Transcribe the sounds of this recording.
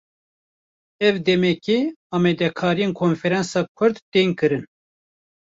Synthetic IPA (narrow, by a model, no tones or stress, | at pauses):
ɛvd̪ɛmɛkeɑːmɛd̪ɛkʰɑːɾijeːnkʰoːnfɛɾɛnsɑːkʷʰʊɾd̪t̪eːŋkɨɾɨn